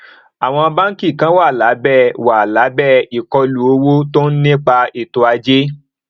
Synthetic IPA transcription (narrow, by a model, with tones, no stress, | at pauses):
a˨w̃ɔ̃˧ba˦n̩˦ki˦˨kã˦wa˦˨la˨˦bɛ˦˨wa˨la˨˦bɛ˦˨i˨kɔ˧lu˨o˧˦wo˦to˦n̩˦nĩ˦k͡pa˧i˨to˧a˧d͡ʒe˦